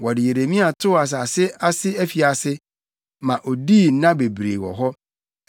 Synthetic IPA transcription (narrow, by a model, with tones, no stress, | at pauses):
wɔ˨dɪ˨je˨ɾe˨mĩ˦a˨tʰʊ˦a˨s̬a˨sɪ˦a˦sɪ˦æ˦fi˨a˨sɪ˦ | mã˨ʔo˨diː˦˨˦nã˦be˨bɾḛ˨wɔ̰˨ɦɔ˦